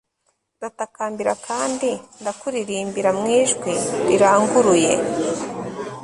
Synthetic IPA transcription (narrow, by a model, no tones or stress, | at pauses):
datakaːmbiɾakʰaːndindakuɾiɾiːmbiɾamŋiːʒɡwiɾiɾaːŋɡuɾuje̞̰